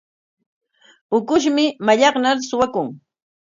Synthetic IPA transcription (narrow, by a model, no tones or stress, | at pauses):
ʊkʊʃ̬mɪmaʎɑχnaɾsʊwakʊŋ